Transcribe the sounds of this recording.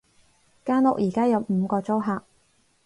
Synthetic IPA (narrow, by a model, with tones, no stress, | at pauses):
kaː˥nʊ̰˨k̚jiː˨˩kaː˥jɐ˨wm̩ː˨˧kɔː˧t͡so˥wɦaː˨k̚